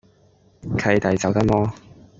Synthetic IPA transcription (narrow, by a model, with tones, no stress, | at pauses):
kʰɐ˧jt̪ɐ˨˩jt͡sɐ˨wt̪ɐ˥k̚mɔː˥